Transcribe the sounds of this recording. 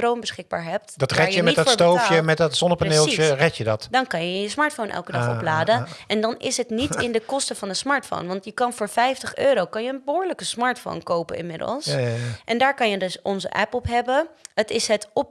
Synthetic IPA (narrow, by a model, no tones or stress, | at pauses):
rownbəsχɪɡ̚ba̰ːɹɦɛp̚tdɑtrɛjəmɛdɔtstowfjəmɛtdɑtsɔnəpanɪːlˠərɛtjədɑtdɑnkɑnjəjəsmɑːɹtfownʔɛ̰lˠkədɑχɔ̰plaːdənɛndɑnɪ̰sɦətnitɪndəkɔstəvɑndəsmɑːɹtfo̰wnʋɑntjəkɑnvʊːɹfɛjftəχøːɾowkɑnjəənbəɦʊːɹləkəsmɑːɹtfo̰wnkowpə̰nɪnmɪdə̰lˠsʔɛndaːɹkɑnjədɵsɔnzə̰ʔɛ̰pɔpɦɛbəɦətɪsɦətɔp̚